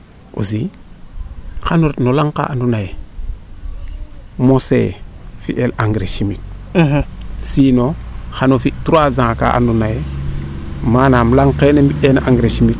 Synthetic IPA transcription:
ṵsi | xanoɾetnolaŋka̰andunaje | mosḛfḭʔelaŋɡɾeʃimik̚ | sinoxanofituɾazãka̰ʔa̰ndunaje | manamlaŋkenembiʔenʔaŋɡɾeʃimik̚

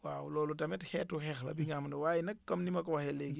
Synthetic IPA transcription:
waːwlɔːlutɐmɛthɛːtuhɛxlɐ̰biŋamɐndɐwaːjinɐkːɐmnimɐkɔwɐhɛleɡi

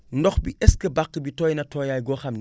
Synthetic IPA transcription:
ndɔxbiʔɛskəbakːəbitɔjnɐtɔjaːjɡɔxɐmn

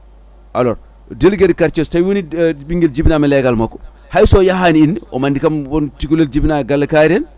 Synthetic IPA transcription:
ʔalɔɾ | delɡedkaɾt͡ʃɔsajwonibiŋɡeld͡ʒibnamɛlɛɡalmakːɔ | hajsɔjaɦaniinɔ̰mandikambɔntikuleld͡ʒibnaɡalːɐkaɾɛn

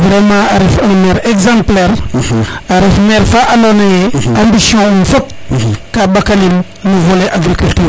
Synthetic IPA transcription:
vɾɛmãɾefɔmɛɾɛɡzãmplɛɾ | aɾefmɛɾfaʔalɔnejeãmbisjɔ̃ɔ̃fɔp̚kabakalim | nuvoleʔaɡɾikylt̪yɾ

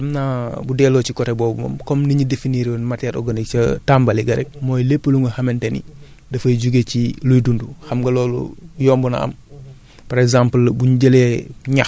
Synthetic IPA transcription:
ɐmnabudɛːloːt͡ʃikɔɾeboːbṵmɐ̰mkɔmniɲidefiniɾionmataɾɔ̰ɡanikt͡ʃɐtambaliɡɐɾɛk̚mɔjlepːəluŋɡuhɐmentenḭ | dɐfɐjɟuɡecilujdunduxɐmɡɐlɔːlṵjɔːmbɔna̰ɐ̰m | pɐɾekzaːmpəlbuɲɟɐleɲa

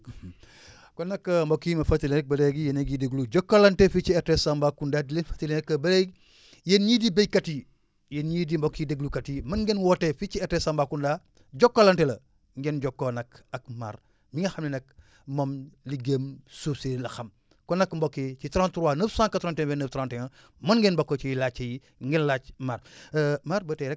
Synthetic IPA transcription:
konɐkːɐmbokːimɐfatilenek̚bɐɾeɡijeneɡideɡluɟokːolantefit͡ʃietesambakundadilenfḁtilenekːɐbɐɾeɡ | jenɲiːdibejkati | jenɲidimbokːideɡlukatimɐnɡenwotefit͡ʃietesambakunda | ɟokːolantelɐ | ŋɡɛnɟɔkːonɐkɐk̚ma̰ːɾ | miŋɡɐxɐmninɐk | momliɡeːmsusiɾlɐxɐm | kɔnɐkmbokːet͡ʃitɾãntuɾuwaːnəfsãːŋkatɾantɛnbenəftɾãntɛŋɐ | mɐnɡenbokːot͡ʃiilat͡ʃːeji | ŋɡenlaːt͡ʃmaɾmaɾbəteɾɛ

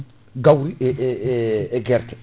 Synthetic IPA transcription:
ɡawɾiʔ | ɡɛɾt̪

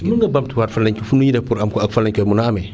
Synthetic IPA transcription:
muŋɡabamtuwaɾfalaɲkufunujidapuɾamkakfalaɲkɛmunaːmɛ

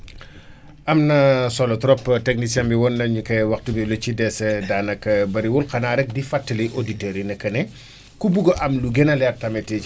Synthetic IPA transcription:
ʔɐmnɐsɔlɔtɾɔpːtɛk̚nisiɐmbiwɔnːɐɲukɛwɐxtubilɔt͡ʃidɛsɛdaːnɐkːɐbɐɾiwulkɐnaːɾɛk̚difatːɐliʔoditɛɾinɐkːɐnɛ | kubuɡɔʔɐmluɡɛnɐlɛrtɐmɛti

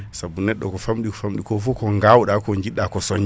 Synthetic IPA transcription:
sabːunɛɗːɔ̰kɔfamɗikɔ̥famɗikɔfukɔŋɡawɗakɔɲd͡ʒiɗːakɔsɔɲ

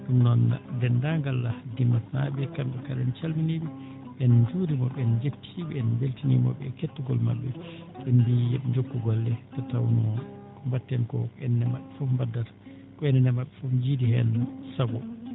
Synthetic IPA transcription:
ɗumnɔndɛndaŋɡalːadinːatnaɓɛkanɗɛkaɾɛnt͡ʃalminiɓɛ | ɓɛnd͡ʒuɾimɔɓɛnd͡ʒetʰiɓɛɛnbeltinimɔ̰ɓɛ̰ketːuɡɔlma̰ɓːɛ | ɓɛnbijɛɓɛɲd͡ʒokːuɡɔlːɛtatawnuɔ | kɔmbatːɛnkɔ̰kɛnːɛmaɓːɛfufmbadːaɾ | kɔɛnɛnɛmaɓːɛfufd͡ʒidihɛ̰nsaɡɔ̰

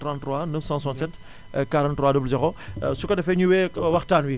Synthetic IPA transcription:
tɾɑ̃nttɾwanəfsɑ̃swãntsɛt | kaɾɑ̃ntːɾwaːdobləzeʁosukɐdɐfɛɲuwewɐxtaːnwi

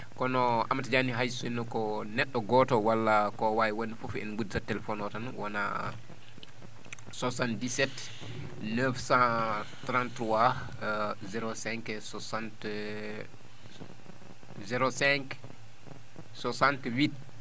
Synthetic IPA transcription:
kɔnɔamːatad͡ʒaniɦajsɔinːɔkɔnɛɗːɔɡɔtɔwalːakɔwajiwonːifufɛ̰nɡuditatɛlɛfɔnɔtanwana̰ | sɔsandisɛt | nəfsã | tɾãntɾua | zɛɾosɛŋksɔsant | zɛɾosɛŋk | sɔsantwit

